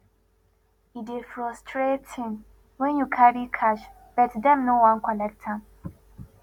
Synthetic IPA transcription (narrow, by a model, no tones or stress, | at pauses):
idefɹɔstʰɹethɪ̃m | wɛ̃njukʰaɾikʰaʃ | b̥ɛtdɛ̃mnowãnkʰɔlɛk̚tʰãm